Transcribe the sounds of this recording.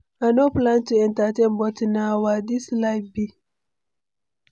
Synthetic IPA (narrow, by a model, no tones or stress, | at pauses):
anoplãntuɛ̃ntətẽnbɔtnawadislaɪbi